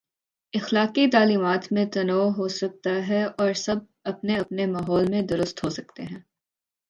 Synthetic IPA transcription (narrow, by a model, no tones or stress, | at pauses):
ɪxlaːqit̪̬aːliːmaːt̪mẽt̪ɐnɔːɦosɐk̚t̪aɦɛɔːɾsɐb̚ | ɐpneɐpnemaːɦɔːlmẽd̪ʊɾʊst̪ɦosɐkt̪eɦɛ̃ː